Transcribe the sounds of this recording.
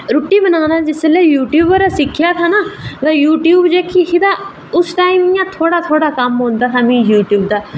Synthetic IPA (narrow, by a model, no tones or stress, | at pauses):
ɾʊʈːiːbənaːnãːd͡ʒɪsleːjuːʈjuːbəɾaːsɪkʰːjaːt̪ʰaːnaːd̪aːjuːʈjuːbd͡ʒeːkʰːikɪd̪aː | ʊsʈaːimijãːt̪ʰoːɽaːt̪ʰoːɽaːkəmɦõːnd̪aːt̪ʰaːmĩːjuːʈjuːbd̪aː